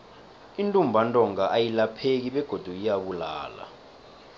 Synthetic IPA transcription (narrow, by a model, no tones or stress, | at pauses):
intʼumbʱantʼɔŋaʔajilapʰek̬iɓɛɡ̥ʱod̥ʱuijaɓula̰ːla̰